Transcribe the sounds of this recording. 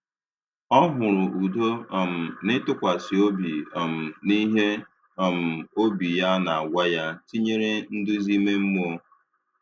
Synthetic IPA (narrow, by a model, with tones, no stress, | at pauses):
ɔ˦ɦʊ˨ɾʊ˨u˨do˦ɔ˨m̩˨nɪ˦tʊ˦kʷa˨si˨o˦bi˨ɔ˨m̩˨ni˦ɦe˦ | ɔ˨m̩˨o˦bi˨ja˦na˨a˨ɡʷa˦ja˦ti˦ɲe˦ɾe˦n̩˦dʊ˦zi˦me˦m̩˦m˦o˦